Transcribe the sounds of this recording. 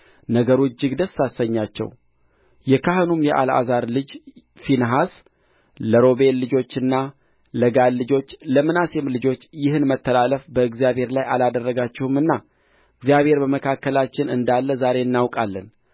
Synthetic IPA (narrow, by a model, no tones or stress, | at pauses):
nəɡəɾud͡ʒːɪɡd̪əsːasəɲːat͡ʃːɛ̰w | jɛkʰaɦɨnumjɛʔa̰la̰zaɾlɨd͡ʒ | finɦas | ləɾo̞be̞lːɨd͡ʒo̞t͡ʃːɨnːa | ləɡalːɨd͡ʒo̞t͡ʃːləmɨnasɛmlɨd͡ʒo̞t͡ʃːjɪhɨnmət̪ːəlaləfbəɨɡzijaβhe̞ɾlajalad̪ərːəɡat͡ʃːɛhumɨnːa | ɨɡzijaβhe̞ɾbəməkʰakːəlat͡ʃːɪnɨ̰nd̪alːəzaɾe̞ɨnːawkʼalːən